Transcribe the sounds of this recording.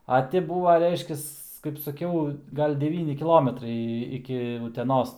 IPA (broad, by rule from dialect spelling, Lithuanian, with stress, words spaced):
ɐ ˈtʲɪ ˈbuːʋɐ ˈrʲɛɪʃʲkʲɛs kɐɪp sɐˈkʲɛʊ ˈɡɐlʲ dʲɛˈʋʲiːnʲɪ kʲɪˈlˠoːmʲɛtrɐɪ ɪkʲɪ ʊtʲɛˈnoːs